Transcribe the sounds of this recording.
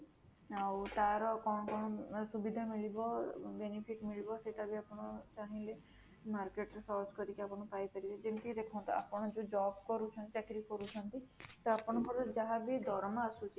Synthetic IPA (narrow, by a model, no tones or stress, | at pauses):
awt̪aɾɔkɔɽ̃ɔkɔɽ̃ɔsubid̪ʱamiɭibɔbenipʰiʈmiɭibɔseʈabiapɔɽ̃ɔt͡ʃaɦĩle | maɾkeʈɾesɔɾt͡ʃkɔɾikiapɔɽ̃ɔpajkaɾiled͡ʒeɳʈid̪ekʰɔw̃nt̪ɔ̰a̰pɔɽ̃ɔd͡ʒod͡ʒɔbkɔɾut͡ʃʰɔnt̪it̪akʰiɾikɔɾut͡ʃʰɔnt̪it̪ɔapɔɽ̃ɔkɔɾɔd͡ʒaɦabid̪ʱɔɾmaːsut͡ʃʰi